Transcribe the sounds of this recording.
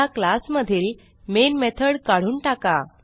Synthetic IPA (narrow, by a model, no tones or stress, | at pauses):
aklasməd̪ʱiːl | menmet̪ʰəɽkaɽ̤uːnʈaka